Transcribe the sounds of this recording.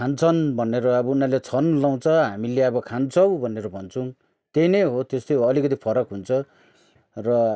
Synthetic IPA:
kʰant͡sʰʌnbʱʌneɾoʌbʌunalet͡sʰʌnlaw̃t͡sʰʌɦamileʌbʌkʰant͡sʰʌwbʱʌneɾobʱʌnt͡sʰũ | t̪eneɦot̪est̪ojʌlikʌt̪̬ipʰʌɾʌkɦunt͡sʰʌ | rʌ

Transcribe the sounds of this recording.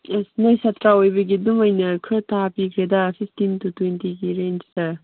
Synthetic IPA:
snajsatʰɾaojbɐɡidumajnɐkʰɯtapikʰɾedasʰisʰtintutwentiɡiɾent͡ʃsɐ

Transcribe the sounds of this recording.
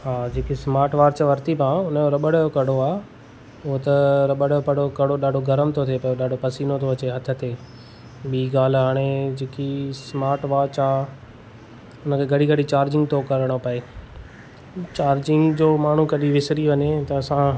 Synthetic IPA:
ɦaːd͡ʑeːkismaːɾʈʋaːɾt͡ɕʋɐɾt̪ipãʊnəjoɾɐɓəɽjokɐɽ̤oaː | ʊɦot̪ɐɾɐɓəɽjopɐɽokɐɽ̤oɗaːɖʱoɡɐɾəmt̪ʰot̪ʰepɐjoɗaːɖʱopɐsiːnot̪ʰoɐt͡ɕeɦɐt̪ʰə̆t̪ʰeː | ɓiːɡaːl̤ɦaːɽ̃ed͡ʑeːkismaːɾʈʋaːɾt͡ɕaː | ʊnə̆kʰeɡɐɽ̤iɡɐɽ̤it͡ɕaːɾd͡ʑɪ̃ŋɡt̪ʰokɐɾəɽ̃opɐeː | t͡ɕaːɾd͡ʑɪ̃ŋɡd͡ʑoːmaːɳ̤ukɐɗiʋɪsɾiʋɐɲet̪ɐːsã

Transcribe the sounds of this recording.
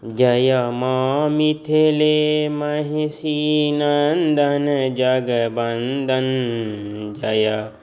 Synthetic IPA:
d͡ʒajamamit̪ʰelemaɦisinand̪and͡ʒaɡəband̪an | d͡ʒaja

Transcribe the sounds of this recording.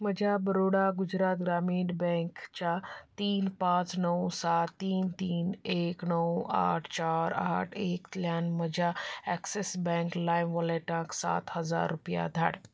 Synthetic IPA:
məd͡ʑʱjabəɾoɽaɡud͡ʑɾaːt̪ɡɾamiːnbɛ̃ŋkt͡ɕat̪iːnpãt͡snəwsat̪ːiːnt̪iːneknəwa̰ʈʰt͡ɕaɾa̰ʈʰeːkt̪ljaːnməd͡ʑʱjaɛksesbɛ̃ŋklajnʋɔleʈãksa̰t̪həd͡za̰ɾːupja̰d̪ʱa̰ɽ

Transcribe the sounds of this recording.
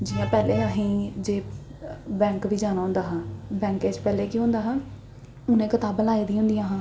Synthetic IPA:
d͡ʒɪjãːpɛːleːəɦĩːd͡ʒeː | bɛ̃ːŋkʋiːd͡ʒaːnaːõnd̪aːɦãːbɛ̃ːŋkeːt͡ʃpɛːleːkiːɦʊ̃ːnd̪aːɦãː | ʊnẽːkɪt̪aːbəlaːiːd̪iːɦʊ̃nd̪ijãːɦãː

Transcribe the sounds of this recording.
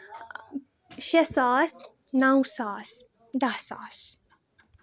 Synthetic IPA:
ʃɛsaːs | nawsaːs | d̪asa̰s

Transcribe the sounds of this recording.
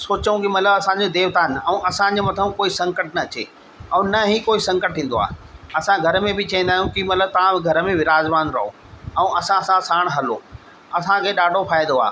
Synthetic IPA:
soːt͡ɕũkɪmɐt̪ləbɐsãɲd͡ʑod̪eːʋt̪aːnɛ̃ũʔɐsãd͡ʑemɐt̪ʰəũkoːisɐ̃ŋkəʈ̚nɐɐt͡ɕḛː | ɐ̃ũnɐɦikoːisɐ̃ŋkəʈ̚ɦĩːn̆d̪oa̰ːɐsãɡʱɐɾəmẽbɪt͡ɕɐʋĩn̆d̪aːɦjũkimɐt̪ləb̚t̪ɐʋ̤ãɡʱɐɾəmẽʋɪɾaːzʋaːnɾɐɦo̰ː | ɛ̃ũʔɐsãsãsaːɽ̃ɦɐlo̰ː | ɐsãkʰeːɗaːɖʱopʰaːjd̪d̪oa̰ː

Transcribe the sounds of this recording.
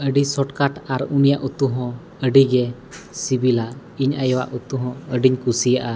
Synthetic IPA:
əɖisɔʈkaʈaɾunijaʔut̪uɦɔ̃ | əɖiɡɛ | sibilaʔ | iɲajɔwa̰ʔut̪uɦɔ̃əɖiɲkusijaʔa

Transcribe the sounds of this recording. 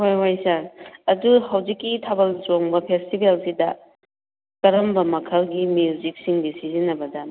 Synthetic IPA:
ɦojɦajsɐɐduhawzikːitʰabɐld͡ʒoŋbɐpʰestibelsidɐ | kɐɾɐmbɐmɐkʰɐlɡimjud͡ʒik̚siŋɡisizinɐbɐdɐ

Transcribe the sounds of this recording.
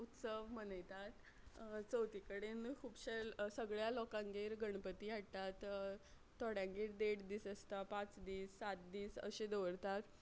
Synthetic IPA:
ut̪səʋmənəjt̪at̪ | t͡səwt̪ikəɽenkʰuːbɕesəɡɭjalɔkãŋɡeɾɡəɳ̃pət̪iːaɽt̪at̪ | t̪ːɔɽjãŋɡeɾd̪eʈd̪iːsəst̪apãt͡sd̪iːsːat̪̚d̪iːsə̰ɕed̪əʋəɾt̪at̪

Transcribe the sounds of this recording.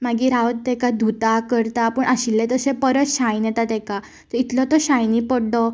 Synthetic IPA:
maɡiːɾaʋət̪t̪ɛkad̪ʱut̪akəɾt̪apəɳaɕilːẽt̪əsẽpəɾət̪ɕãjnjɛt̪at̪ɛka | t̪əit̪lɔt̪ɔɕãjnipəɽɖɔ

